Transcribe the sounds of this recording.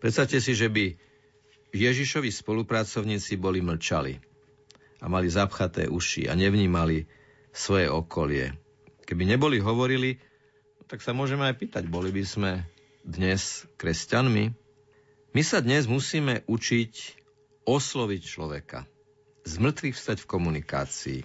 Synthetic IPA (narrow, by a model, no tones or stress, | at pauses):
pɾɛt̪st̪aʊcɛsiʒɛbi | jɛʒiʃɔʋispɔlupɾat͡sɔʊɲiːt͡sibɔliml̩t͡ʃalḭ | amalizapxat̪ɛ̰ːʔuʃḭa̰ɲɛʋɲiːmali | sʋɔjɛɔkʰɔlɪɛ̰ | kɛbiɲɛbɔliɦɔʋɔɾili | t̪aksamʊɔʒɛmɛajpiːt̪aɟbɔlibizmɛ | d̪ɲɛskɾɛscanmi | misad̪ɲɛzmusiːmɛʔut͡ʃic | ɔslɔʋict͡ʃlɔʋɛka̰ | zmr̩t̪ʋixfst̪aɟfkɔmunika̰ːt͡sḭː